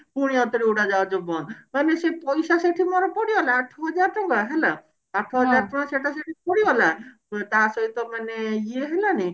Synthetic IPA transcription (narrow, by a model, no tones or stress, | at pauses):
puɽ̃iɔt̪ɔɾiuɽad͡ʒaod͡ʒobɔnmanesepɔjsaseʈʰimɔɾɔpɔɽiɔlaaʈʰːɔɦɔd͡ʒaɾʈɔŋɡaɦela | aʈʰːɔɦɔd͡ʒaɾʈɔaseʈaseʈʰipɔɽiɔla | t̪asɔɦit̪ɔmaneieɦelani